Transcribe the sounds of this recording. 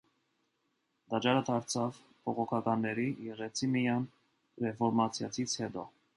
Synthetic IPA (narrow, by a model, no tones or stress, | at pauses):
d̪ɑd͡ʒɑɾət̪ʰɑɾt͡sʰɑv | bʰɔʁɔkʰɑkɑnːɛɾijɛʁɛt͡sʰimijɑn | rɛfɔɾmɑt͡sʰjɑt͡sʰit͡sʰhɛt̪ɔ